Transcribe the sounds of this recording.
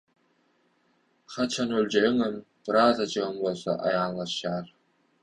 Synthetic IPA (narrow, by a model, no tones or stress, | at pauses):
χɑt͡ʃʰɑnølʲd͡ʒeɯŋɯm | bɯɾɑːzɑd͡ʒɯʁɯmbolˠso̰ʔɑ̰jɑːnlˠɑʃjɑːɾ